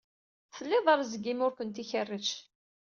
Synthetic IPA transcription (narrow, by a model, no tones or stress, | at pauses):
θəlːɪðˤɑɾˤzəɡimʊɾkʷənt̪içərːət͡ʃ